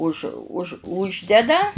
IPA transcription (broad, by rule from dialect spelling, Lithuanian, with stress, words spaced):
ʊʃ ʊʃ ˈʊʒʲdʲɛdɐ